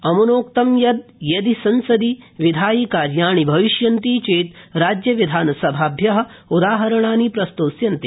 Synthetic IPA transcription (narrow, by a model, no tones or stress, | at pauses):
ɐmɐnoːkt̪ɐmjɐd̪̚jɐd̪isɐnsɐd̪iʋid̪ʱaːjiːkaːɾjaːɳ̃ibʱɐʋiʃjɐnt̪iːt͡ʃeːt̪ɾaːd͡ʒjɐʋid̪ʱaːnɐsɐbʱaːbʱjɐɦɐ̆ | ud̪aːɦɐɾɐɳ̃aːniːpɾɐst̪oːsjɐnt̪i